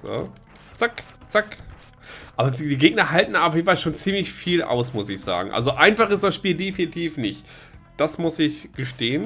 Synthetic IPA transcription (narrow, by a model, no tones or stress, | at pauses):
zo̰ | t͡sak | t͡sak | ʔaːbɐdiːɡeːɡ̚nɐɦaltn̩aʊfeːnfalʃoːnt͡siːmlɪçfiːlʔa̰ʊsmʊsɪçz̥a̰ːɡŋ̩ʔa̰lzoʔaɪnfaχɪst̚d̥asʃpiːldefinɪtʰiːfnɪçt | d̥asmʊsɪçɡ̥əʃteːən